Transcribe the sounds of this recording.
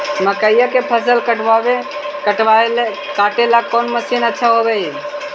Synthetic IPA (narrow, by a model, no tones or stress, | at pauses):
məkəɪjakepʰəs̬əlkəʈʋaʋekəʈʋale | kaʈelakonməsinətːʃʰaɦobei